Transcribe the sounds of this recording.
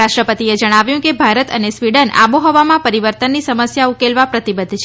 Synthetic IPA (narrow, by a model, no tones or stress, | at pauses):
aʃʈɾəpət̪ied͡ʒəɽ̃aʋjũkebʱaɾət̪ə̰nesʋiɽəna̰boɦɔʋamãpəɾiʋəɾt̪ənːisəməsjaukelʋapɾət̪ibəd̪ʱːt͡ʃʰe